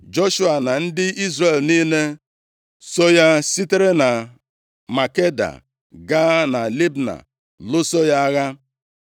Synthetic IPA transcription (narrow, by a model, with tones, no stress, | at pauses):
d͡ʒo˦ʃu˦a˨na˨n̩˦dɪ˦i˦zɾe˨lniː˦ne˦ | so˦ja˦si˦te˦ɾe˦na˨ | ma˨ke˦da̰˨ | ɡa˦na˨li˦bna̰˨ | lʊ˦so˦ja˦a˦ɣa˦